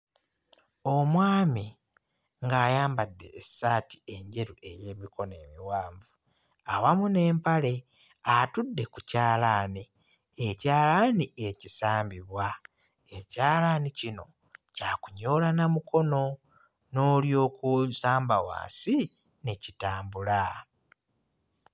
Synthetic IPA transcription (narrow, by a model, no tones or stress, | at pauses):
o̞mwaːmi | ŋɡaːjaːmbadːe̞̰ːsaːti̥e̞ɲɟe̞ɾuʔe̞je̞ːmikʰo̞ne̞̰ːmiwaːɱvu | awamune̞ːmpale̞ | atudːe̞kucaːlaːni | ecaːlanie̞cisaːmbiβwa | ecaːlanicino̞̰ | caːkuɲo̞ːlanamuko̞no̞ | no̞ːljo̞ːkusaːmbawa̰ːnsi | necitaːmbula